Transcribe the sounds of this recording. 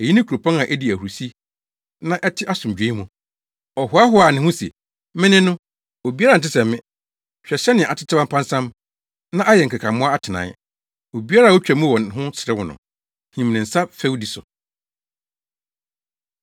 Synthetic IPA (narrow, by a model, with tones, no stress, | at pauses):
ɛ˨ji˦nɪ̃˦kʰu˨ɾo˨pʰɔ̃˦na˨ʔæ˦di˨æ˨hu˨u˨si˦ | nã˦ʔɛ˦tʰɪ˦ʔa˦sʊ̃˨m˨d͡ʑᶣẽ˨˦i˦mũ˨ | ɔ˨hʊ˨˦a˦ɦʊ˦a˨nɪ̃˦hʊ̃˦sɛ˨ | mɪ̃˦nɪ̃˦nʊ̃˦ | o˨bi˦a˦ɾa˨n̩˨t̬ɪ˦sɛ̃˨mmːɪ̃˦ | ɕᶣɛ˨ɕɛ˦nɪ̃˨a˨tʰɪ˦tʰa˦bã˦mpʰã˦n˦sã˦m | nã˦ʔa˦jɛ˨ŋ̩˨kʰa˨kʰã˨mʊ̃˦a˦a˦tʰɪ˨nã̰˨˦ | o˨bi˦a˦ɾaː˨wɔ˦t͡ɕᶣæ˨mũ˦wɔ̃˨nɦʊ̃˦sɪ˨ɾɪ˦wʊ̃˨nʊ̰̃˨ | hĩ˨m˨nɪ̃˨n̩˨sa˦fe˦wdi˨sʊ˨